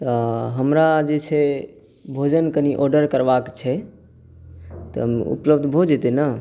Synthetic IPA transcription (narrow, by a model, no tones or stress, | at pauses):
t̪əɦəmɾad͡ʒet͡ʃʰɛ | bʱod͡ʒənkəniʔɔɾɖəɾkəɾbakt͡ʃʰɛ | t̪ɔɦmṵpləb̚d̪ʱbʱod͡ʒɛt̪ɛnə